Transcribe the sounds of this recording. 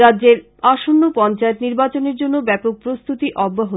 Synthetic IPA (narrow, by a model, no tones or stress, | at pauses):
ɾadːʑeɾ | aʃonːopɔnt͡ɕaet̪niɾbat͡ɕoneɾd͡ʑonːobɛpok̚pɾost̪ut̪iʔɔbːaɦo